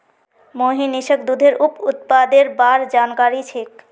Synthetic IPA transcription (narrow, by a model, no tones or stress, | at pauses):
moɦiniʃəkd̪ud̪ʱeɾuput̪̚pad̪eɾbaɾd͡ʑankaɾit͡ɕʰik